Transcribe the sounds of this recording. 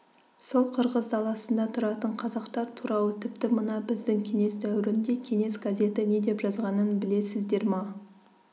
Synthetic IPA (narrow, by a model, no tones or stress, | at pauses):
so̞lˠqʰəɾʁəzd̪ɑlˠɑsənd̪ɑt̪ʰʊɾɑt̪əɴqʰɑzɑqt̪ɑɾt̪ʰuɾɑlˠət̪ʰɪpt̪ɪmənɑbɪzd̪ɪŋkʲʰe̞ŋe̞sd̪æwɪɾɪnd̪e̞kʲʰe̞ŋe̞sɡazʲe̞t̪ɪne̞d̪e̞pʒɑzʁɑnənbɪle̞sɪzd̪e̞ɾmɑ